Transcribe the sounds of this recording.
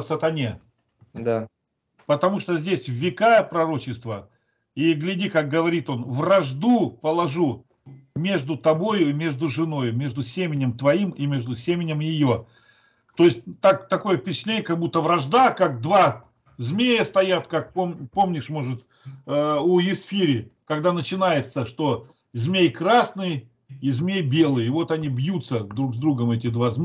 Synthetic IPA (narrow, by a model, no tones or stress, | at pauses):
sət̪ɐnʲe | d̪a | pət̪ɐmuʂt̪ozʲdʲesʲvvʲːɪkajəpɾɐɾo̞t͡ɕɪst̪və | iɡlʲɪdʲikak̚ɡəvɐɾʲit̪o̞nvrɐʐd̪upəlˠɐʐu | mʲe̞ʐd̪ʊt̪ɐbo̞jʊɪmʲe̞ʐd̪ʊʐɨno̞jʊmʲe̞ʐd̪ʊsʲemʲɪnʲɪmt̪vɐimimʲe̞ʐd̪ʊsʲemʲɪnʲɪmjɪjo̞ | t̪o̞jɪsʲt̚ʲt̪akt̪ɐko̞jəfpʲɪt͡ɕɪ̥t̪lʲenʲjəkɐɡ̚but̪ːəvɾɐʐd̪akak̚d̪va | zʲmʲejəst̪ɐjat̪kak̚pompo̞mnʲɪʂmoʐɨt̪ | uɪsfʲiɾʲɪkɐɡd̪anət͡ɕɪnajɪt̪səʂt̪o̞ | zʲmʲejkɾasnɨj | izʲmʲejbʲe̞lˠɨjɪvo̞t̪ɐnʲibjut̪səd̪ɾuɡzd̪ɾuɡəmɛtʲɪd̪vazʲmʲ